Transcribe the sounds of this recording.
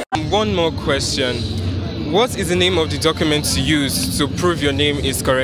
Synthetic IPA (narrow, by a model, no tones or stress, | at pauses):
wʌ̃nmɔkʰw̥ɛst͡ʃɔ̃n | wɔtɪzðənẽɪ̃mɔvðɨdɔkjumɛ̃ntʰːujuz̥tʰupʰɹ̥uvjɔnẽɪ̃mɪz̥kʰɔɹɛ